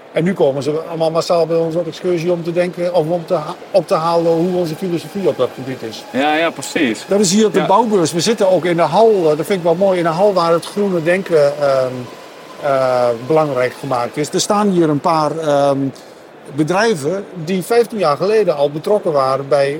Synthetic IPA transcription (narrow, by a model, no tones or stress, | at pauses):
ɛnːykoːmənzəɔlˠmalˠmasalˠbɛonsotɛkskøsiɔmtədɛŋkəɔ | ɔp̚təɦaːlˠəhuɔnzəfilosofiɔp̚dɔt̚pʰɔbitɪsjajapsisd̥ɔtɪs̬hiərɔp̚dəbawbøsʋəzɪtənoːkɪndəɦɔlˠdɔtfɪndɪkʋɔlmoːjɪndəɦɔlˠʋaːrətxrunədɛŋkə | bəlaŋrɛjkxəmaːk̚tɪsdərstaːnhiːəɾənpaːr | bədrɛjvədifɛjftinjaːrxəleːdəɔlˠbətrɔkəʋaːɾənbɛj